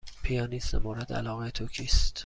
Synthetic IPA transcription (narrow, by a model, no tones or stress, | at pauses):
pʰijɒːniːsemoːɾed̪æ̰lɒːɣet̪ʰocʰiːst̪